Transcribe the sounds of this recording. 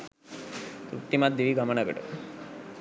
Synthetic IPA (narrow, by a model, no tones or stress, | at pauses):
t̪ɾuʈːimaːt̪d̪̚d̪iʋiɡɐmɐɳɐɡɐ̰ɽṵ